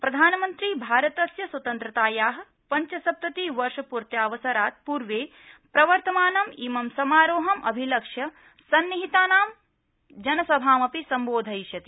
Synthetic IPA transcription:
pɾɐd̪ʱaːnɐmɐnt̪ɾiːbʱaːɾɐt̪ɐsjɐswɐt̪ɐnt̪ɾɐt̪aːjaːɦɐ̆ | pɐɲt͡ʃɐsɐp̚t̪ɐt̪iːʋɐɾʂɐpuɾt̪jaːʋɐsɐɾaːt̪̚puːɾʋeː | pɾɐʋɐɾt̪ɐmaːnɐmiːmɐmsɐmaːɾoːɦɐmʔɐbʱilɐkʂjɐ | sɐnːiɦit̪aːnaːm | d͡ʒɐnɐsɐbʱaːmɐpisɐmboːd̪ʱɐjʃjɐt̪i

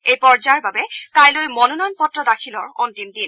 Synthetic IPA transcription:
ejpɔɹzaɹbabɛkajlojmɔnunɔjnpɔtːɹɔdakʰilɔɹɔntimdin

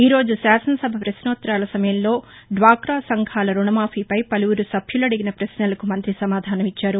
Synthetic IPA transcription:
iːɾo̞ːd͡ʒusaːsɐnɐsɐbʱɐpɾɐsnoːt̪ːɾaːlɐsɐmɐjɐmlo̞ː | ɖʋaːkɾaːsɐŋɡʰʱaːlɐɾuɳɐmaːpʰiːpɐjpɐluwuɾusɐbʱʰjuloːɽiɡinɐpɾɐsnɐlɐkumɐnt̪ɾisɐmaːd̪ʱaːnɐmit͡ʃːaːɾu

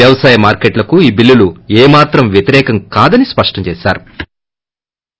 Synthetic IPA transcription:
jɐʋɐsaːjɐmaːɾkeʈlɐkuiːbilːuluɛːmaːt̪ɾɐmʋjɐt̪iɾɛːkɐŋkaːd̪ɐnispɐʂʈɐmt͡ʃɛːsaːɾu

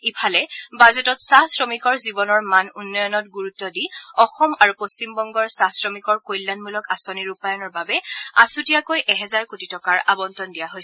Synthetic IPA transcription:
ipʰalɛbazɔtɔtsahsɹɔmikɔɹzibɔnɔɹmanunːɔjɔnɔt̚ɡuɹutːɔdiɔxɔmaɹupost͡ʃimbɔŋɡɔɹsasɹɔmikɔɹkojlːanmulɔkasoniɹupajɔnɔɹbabɛasutijakojʔɛɦɛzaɹkutitɔkaɹabɔntɔndijaɦojs

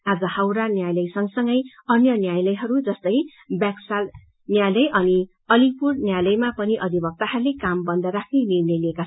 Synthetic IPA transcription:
ad͡zʌhawɾanjajlʌjsʌŋsʌŋɡʌj | ʌnjʌnjajlʌjɦʌɾud͡zʌst̪ʌj | baksal | njajlʌjʔʌni | ʌlipurnjajlʌjmapʌniʔʌd̪ʱibʱʌk̚t̪aɦarlːekambʌnd̪ʌɾakʰnenirnelieka

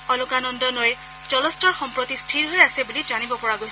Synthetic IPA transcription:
ɔlʊkanɔndɔnoj | zɔlɔstɔɹxɔmpɹɔtistʰiɹɦojasɛbulizanibɔpɔɹaɡojs

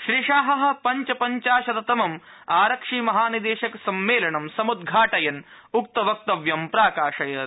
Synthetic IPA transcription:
ʃɾiːʂaːɦɐɦɐ̆pɐɲt͡ʃɐpɐɲt͡ʃaːʃɐt̪ɐt̪ɐmɐm | aːɾɐkʂiːmɐɦaːnid̪eːʃɐkɐsɐmːeːlɐɳɐmsɐmud̪ɡʱaːʈɐjɐn | uk̚t̪ɐʋɐk̚t̪ɐʋjɐmpɾaːkaːʂɐjɐ

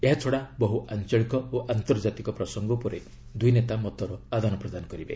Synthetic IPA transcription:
eɦat͡ʃʰoɽabɔɦuʔant͡ʃɔɭikɔoʔant̪ɔɾd͡ʒat̪ikɔpɾɔsɔŋɡɔpɔɾe | d̪ujnet̪amɔt̪ɔɾɔad̪ʱanɔpɾɔd̪anɔkɔɾibḛ

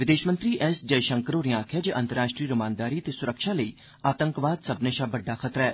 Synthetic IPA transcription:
ʋɪd̪eːʃmə̃nt̪ɾiːʔɛːsd͡ʒəjʃə̃ŋkəɾoːɾɪjãaːkʰjaːd͡ʒeːʔənt̪əɾaːʃʈɾiːɾʊmãːnd̪aːɾiːt̪eːsʊɾəkʃaːləḭː | aːt̪əŋkʋaːd̪səbneːʃaːbəɖːaːxʰət̪ɾɛː

